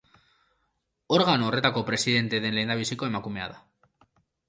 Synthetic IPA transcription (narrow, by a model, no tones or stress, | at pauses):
o̞ɾɣanore̞t̪ako̞pɾe̞siðe̞nt̪e̞ðe̞nle̞jnd̪aβisiko̞e̞makume̞a̰ða